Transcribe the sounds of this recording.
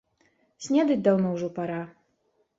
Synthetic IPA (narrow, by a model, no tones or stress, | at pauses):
sʲnʲɛd̪ɨt͡sʲd̪awnɔwʐɔpaɾa